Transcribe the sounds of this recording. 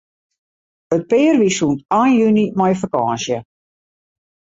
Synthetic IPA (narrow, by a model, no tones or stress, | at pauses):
ət̚pɪːərʋisuntaːnjynimɔjfəkaːnsjə